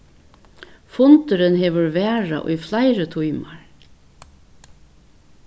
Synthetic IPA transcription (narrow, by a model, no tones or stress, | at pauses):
fʊnt̪ʏɾɪnɦɛːʋʏɹʋæːɹa̰ʔʊ̰jflajɾət̪ʰujmaɹ